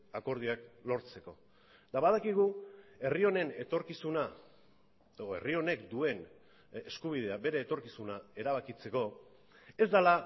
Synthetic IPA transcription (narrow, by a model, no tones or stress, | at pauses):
ako̞ɾð̞iaklo̞ɾt͡se̞ko̞ | t̪aβað̞akiɣ̞ue̞rio̞ne̞ne̞t̪o̞ɾkisuna | eoe̞̰rio̞ne̞kd̪ue̞n | eskuβ̞ið̞e̞abe̞ɾe̞ːt̪o̞ɾkisunae̞ɾaβakit͡se̞ko̞ | e̞zd̪ala